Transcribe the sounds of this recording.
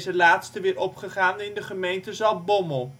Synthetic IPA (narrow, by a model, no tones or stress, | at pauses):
zəlaːtstəʋɪːɹɔpχəχaːnəɪndəχəmejntəzɑlˠbɔməlˠ